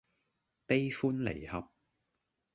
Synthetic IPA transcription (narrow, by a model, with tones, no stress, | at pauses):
p̪e˥jfuː˥nlḛ˨˩jhɐ˨p̚